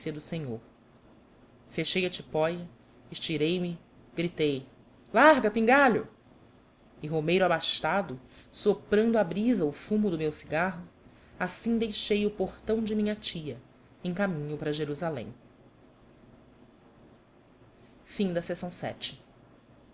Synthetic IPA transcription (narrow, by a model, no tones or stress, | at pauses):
siɐd̪ʊseɲoɾ | feʃejɐt͡ʃipɔjɐ | ɪʃt͡ʃiɾejmɪ | ɡ̥ɾit̪ej | laɦɡɐpĩŋɡaʎʊ | ɪɦomejɾʊabaʃt̪ad̪ʊsopɾɐ̃nd̪ʊabɾizɐʊfũmʊd̪ʊmewsi̥ɡaɦʊ | asĩd̪ejʃejʊpoχt̪ɐ̃w̃d͡ʒɪmĩɲɐt͡ʃiɐ | ẽj̃kamĩɲʊpɾɐʒeɾuzalḛ̃j̃ | fĩd̪ɐsesɐ̃w̃sɛ̰t͡ʃɪ̥